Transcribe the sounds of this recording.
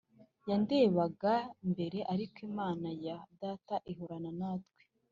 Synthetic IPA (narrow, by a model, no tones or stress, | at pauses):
jande̞ːβaɡambe̞ɾe̞ʔaɾikimaːnajadaːtaʔiɦoɾananaːtɡwe